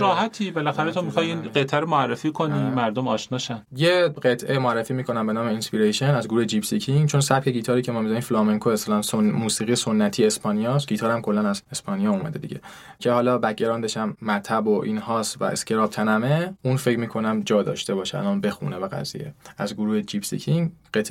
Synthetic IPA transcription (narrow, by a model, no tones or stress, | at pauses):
ɾɒːɦæt̪ʰiːbelæxæɾet̪ʰomixɒjinɢet̪ʰæɾomoærːefiːkʰonimæɾd̪omɒːʃnɒːʃænjeɢet̪ʰʔemoærːefiːmiːkʰo̞næmbe̞nɒːme̞inspiɾejʃenæzɡoɾuhe̞d͡ʒibsicʰiŋt͡ʃʰo̞nsæp̚cʰe̞ɟiːt̪ʰɒːɾiːcʰe̞mɒːmizæniːmflɒːmeŋkʰoeslɒːnsomuːsiːʁijeso̞nːæt̪ʰiːespɒːnijɒːsɟiːt̪ʰɒːɾæmkʰo̞lːænæzespʰɒːnijɒːumæ̰d̪ed̪ḭɟe̞ | cʰe̞hɒːlɒːbæc̚ːeɾɒːnd̪eʃæmːæɾt̪ʰæboʔiːnhɒːsvæ̰ʔḛscʰʲe̞ɾɒːb̚t̪ʰænæmeũnfe̞cmiːkʰo̞næmd͡ʒɒːd̪ɒ̰ːʃt̪e̞bɒːʃeæ̰lɒːnbe̞xṵnevæɡæ̰zḭjḛæzɡoɾuːhed͡ʒibsḭcʰiŋɢet̪ʰ